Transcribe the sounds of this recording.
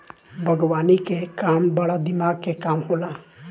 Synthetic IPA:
bʱəɡwaːnikekaːmbɐɽad̪ɪmaːɡkekaːmɦoːlaː

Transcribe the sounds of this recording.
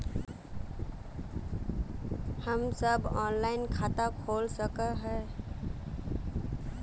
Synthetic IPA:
həmsəbɔːnlaɪnkʰat̪akʰoːlsəkəɦɛ

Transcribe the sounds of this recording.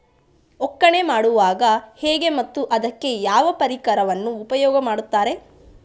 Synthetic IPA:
ɔkːɐɳe̞maːɽuʋaːɡɐheːɡe̞mɐt̪ːuʔɐd̪ɐkːe̞jaːʋɐpɐɾikɐɾɐʋɐnːuːpɐjɔːɡɐmaːɽut̪ːaːɾe̞

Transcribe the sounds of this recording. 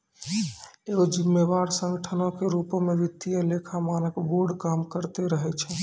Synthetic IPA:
eɡod͡ʒimːebaɾsə̃ŋɡəʈʰənõkeɾupmeʋit̪ːijəlekʰamanəkboɾɖkamkəɾt̪eɾəɦɛt͡ʃʰɛ

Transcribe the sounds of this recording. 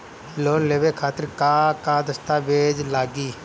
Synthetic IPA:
loːnleːʋeːkʰaːt̪əɾkaːkaːd̪əst̪aːʋeːd͡ʒlaːɡiː

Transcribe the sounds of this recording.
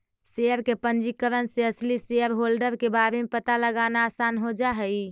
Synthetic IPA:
seəɾkepənd͡ʒikəɾənseəsliseəɾɦolɖəɾkebaɾemepət̪aləɡanaːsanɦod͡ʒaɦəj

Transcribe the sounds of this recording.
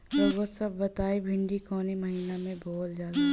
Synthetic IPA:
t̪oʋosɐb̚ːɐt̪aːebʱɪ̃ɳɖikɔːnimɐɦiːnamẽbɔːt̪d͡ʒaːd̪a

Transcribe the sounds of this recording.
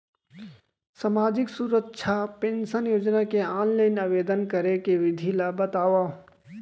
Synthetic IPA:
samaːd͡ʒɪksuːɾətːʃʰapẽːnʃənjoːd͡ʒnakeaːnləɪnaʋeːd̪ənkəɾekeʋɪd̪ʱilabət̪aːʋa

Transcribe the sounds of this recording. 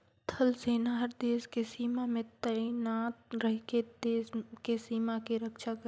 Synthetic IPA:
t̪ʰəlseːnaɦəɾd̪eːskesiːmamẽt̪ənaːt̪̚ɾəɦked̪eːskesiːmakiɾəkʃakə

